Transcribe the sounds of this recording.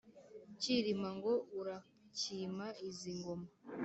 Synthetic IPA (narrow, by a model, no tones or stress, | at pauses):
ciɾimaŋɡo̞uɾa | cimaiziŋɡo̞ma